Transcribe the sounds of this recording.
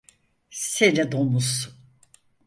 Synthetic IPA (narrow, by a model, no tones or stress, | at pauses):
seɾɛd̪omus